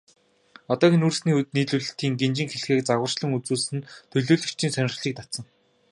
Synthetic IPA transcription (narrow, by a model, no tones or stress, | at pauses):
ɔt̪ɔːɣinursniːut̪̚niːɮuːɮɵ̆ɬt̪iːŋɡent͡ɕɪ̆ŋxeɮ̆xeːk̚t͡saɣə̆r̥t͡ɕɮə̆ŋut͡suːɮsɘ̆nt̪ʰɵɮuːɮɵ̆kt͡ɕʰiːnsœnʲɪ̆χɮiːk̚t̪at̪sə̆ŋ